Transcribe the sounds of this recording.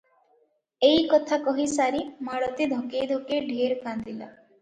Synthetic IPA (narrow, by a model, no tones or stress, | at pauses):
ejkɔt̪ʰakɔɦisaɾimaɽɔt̪id̪ʱɔkejd̪ʱokeɖʱeɾkand̪ila